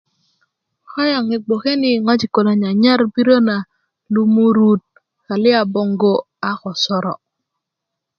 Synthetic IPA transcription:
kɔ˦ja˨ŋi˨ɡ͡bo˨ke˦ni˨ŋɔ˦d͡ʒi˨ko˨la˨ɲa˨ɲa˦ɾbi˦ɾo˦na˨ | lu˦mu˦ɾu˦t̚ | ka˨lɪ˦a˨bɔ˨ŋɡo˦ | a˦kɔ˨sɔ˦ɾɔ̰˨

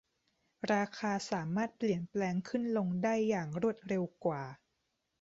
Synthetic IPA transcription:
ɾaː˧kʰaː˧saː˩˦maː˥˩t̪̚pli˨˩ənplɛː˧ŋkʰɯ˥˩nlo˧ŋdaː˥˩jːaː˨˩ŋɾu˥˩ət̪̚ɾe˧wkwaː˨˩

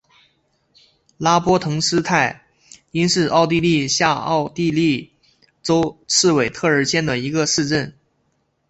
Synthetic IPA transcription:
la˥pwɔ˥t̪ʰɤ˧˥ŋʂɹ̩˥t̪ʰa˥˩ɪ | i˥nʂɻ̩˥˧ʔɑ˥˧ʊt̪i˥˧li˥˧ɕja˥˧ɑ̰˥˧ʊt̪i˥˧li˥˩ | ʈ͡ʂo˥ʊt͡sʰɹ̩˥˩we˨˩ɪt̪ʰɤ˥˩ə˞˧˥ɕjɛ˥˩nd̪ə˨i˧˥ɡə˧ʂɻ̩˥˧ʈ͡ʂə˥˩n

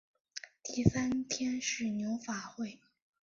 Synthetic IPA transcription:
t̪i˥˩sa˥nt̪ʰjɛ˥nʂɻ̩˥˩njo˧˥ʊfa˨˩xwe˥˩ɪ

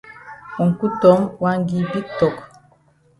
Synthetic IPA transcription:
u˨ŋ̩˨ku˦tɔ˨˦mwa˦ŋ˦ɡi˨bi˦tɔ˨k

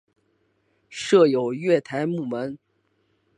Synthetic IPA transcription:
ʂɤ˥˩jo˨˩ʊɥɛ˥˩t̪ʰa˧˥ɪmu˥˩mə˧˥n

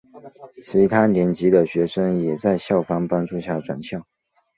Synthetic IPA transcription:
t͡sʰɹ̩˧˥˧t̪ʰa˥ljɛ˧˥nt͡ɕi˧˥d̪ə˨ɕɥɛ˧˥ʂə˥ŋjɛ˨˩t͡sa˥˧ɪɕjɑ˥˩ʊfɑ˥ŋpɑ˥ŋʈ͡ʂu˥˧ɕja˥˩ʈ͡ʂwa˨˩nɕjɑ˥˩ʊ

